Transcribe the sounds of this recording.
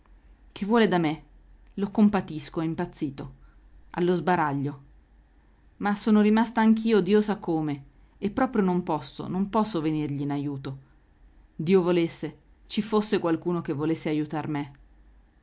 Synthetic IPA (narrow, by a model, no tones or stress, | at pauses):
k̟evːwɔːled̪ame | lokompat̪iskoimpat̪sːiːt̪o | a̰lːozbaɾaʎːo | masːoːnoɾimast̪aaŋk̟̬iːod̪iːosakːoːme | epːɾɔːpɾjonompɔsːo̰nompɔsːovenirʎiːnajuːt̪o | d̪iːovolesːe | t͡ʃifosːekwalkuːnok̟evːolesːeajut̪arme